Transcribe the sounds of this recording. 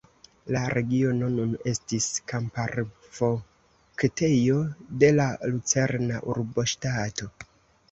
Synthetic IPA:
laɾʔe̞ɡio̞no̞nune̞stiskampaɾvo̞ | kte̞jo̞de̞lalut͡se̞ɾnaʔuɾbo̞ʃtato̞

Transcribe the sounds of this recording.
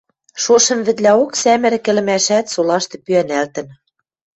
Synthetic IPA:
ʃoʃɤ̆mβɘ̆t̪læoksæmɘ̆ɾɘ̆kɘ̆lɘ̆mæʃæt̪solɑʃt̪ɤ̆pyænælt̪ɘ̆n

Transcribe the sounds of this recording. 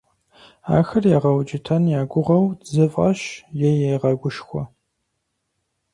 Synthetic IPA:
a̰ːxɐrjaːʁɐwd͡ʒɪtʰɐnjaːɡʷʊʁɐwzɨfʼɐɕjɛjɛjʁɐɡʷʊʃxʷɔ

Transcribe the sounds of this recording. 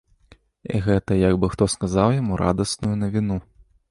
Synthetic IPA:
ḭɣɛt̪ɐjɐɡbɨxt̪ɔskazawjamuɾʔa̰d̪ɐsnujunɐvʲinu

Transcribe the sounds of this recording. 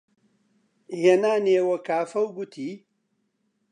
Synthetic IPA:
henaːneːwɐkaːfɐwɡut̪ʰiː

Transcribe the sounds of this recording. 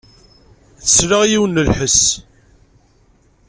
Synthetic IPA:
θəsɾaʁjiwənːəlħəs

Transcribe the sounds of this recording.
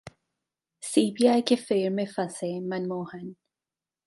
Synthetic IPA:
siːbiaːjkefeːɾmẽfɐsemɐnmoːhɐn

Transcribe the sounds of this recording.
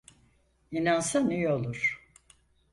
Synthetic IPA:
inansanijolˠuɾ̥

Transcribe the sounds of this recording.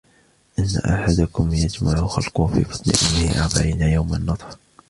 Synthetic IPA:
ʔɪnːa̰ʔaħad̪akʊmjad͡ʒmaʕʊxɑlqʊfḭːfɑt̪ˤnɪ̰ʔʊmːɪhɪʔaʕbaʕiːnajawmanːɑt̪ˤħ

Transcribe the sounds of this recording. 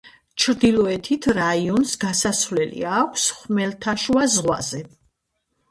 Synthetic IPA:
t͡ʃʰɾd̪ilˠɔɛt̪ʰit̪ʰɾaiɔnsɡasaslɛlḭaːkʷʰsχmɛlt̪ʰaʃwazʁwa̰zɛ

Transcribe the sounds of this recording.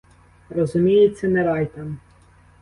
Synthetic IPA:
rɔzʊmʲijetʲt͡sʲːɐnɛɾɑjt̪ɐm

